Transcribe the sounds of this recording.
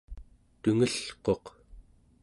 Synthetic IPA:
t̪uŋəɬqo̞q

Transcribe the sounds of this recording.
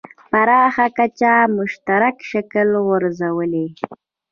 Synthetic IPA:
paɾɑxakat͡ʃamʊʃt̪aɾakʃakəlɣʊɾzawəle

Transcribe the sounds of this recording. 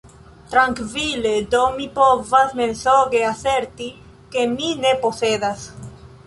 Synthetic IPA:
t̪ɾaŋkviled̪omipovazmensoɣeaseɾt̪i | kemineposeðas

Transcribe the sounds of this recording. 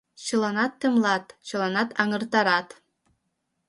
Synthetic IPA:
ɕɯlˠɑnɑt̪ːɨ̆mlˠɑt̪ɕɯ̆lˠɑnɑt̪ʰɑŋɤ̆rt̪ɑɾɑt̪

